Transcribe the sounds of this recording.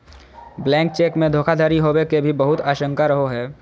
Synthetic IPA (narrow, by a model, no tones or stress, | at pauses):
blɛ̃ːŋk̚t͡ʃeːkmẽd̪ʱoːkʰad̪ʱaːɾiɦowekebʱibəɦʊt̪aːʃə̃ŋkaɾəɦoɦɛː